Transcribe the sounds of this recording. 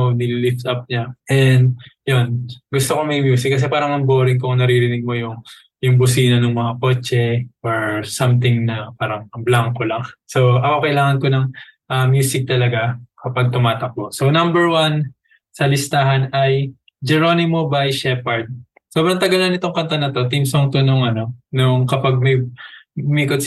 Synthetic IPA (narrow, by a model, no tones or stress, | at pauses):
onɪlilɪft̪ɐp̚ɲaʔɛnd̪̚jo̞nɡʊst̪oko̞mɐjmjuːsɪk̚ːɐs̬ɛpaːɾɐŋmɐmbo̞ːɾɪŋkoŋnɐɾiɾɪnɪɡ̚mo̞jʊŋ | jʊŋbʊsiːnɐnoŋmɐŋakot͡ʃɛʔoɹsɐmt̪̬ɪŋnɐpaːɾɐŋɐblaŋkolɐŋso̞ʔɐko̞kɐʔɪlaːŋɐnko̞nɐŋʔɐmjuːsɪk̚t̪ɐlɐɡakɐpɐɡ̚t̪ʊmaːt̪ɐk̚mosownɐmbɛɹwan | sɐlɪst̪aːɦɐnɐj | d͡ʒɛɾo̞nɪmobajʃɛpɐɹd̪̚ | so̞ːbɾɐŋt̪ɐɡɐlɐnɪt̪oŋkɐnt̪ɐnɐt̪o̞t̪imsoŋt̪onʊŋʔɐno̞nʊŋkɐpaɡ̚m | miːkot̪̚